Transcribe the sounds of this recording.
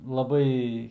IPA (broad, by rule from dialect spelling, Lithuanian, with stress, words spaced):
lˠɐˈbɐɪ